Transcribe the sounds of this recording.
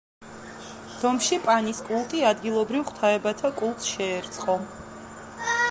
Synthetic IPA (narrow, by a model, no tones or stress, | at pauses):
d̪̥ɔmʃipʼaniskʼulˠt̪ʼiad̪ɡilˠɔbɾivχt̪ʰaɛbat̪ʰakʼulˠt̪sʃɛːɾt̪sʼqʼɔ